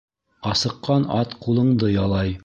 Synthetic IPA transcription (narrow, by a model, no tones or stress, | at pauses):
ɑsɤ̆qːɑnɑt̪qulˠɤ̆ɴd̪ɤjɑlˠɑj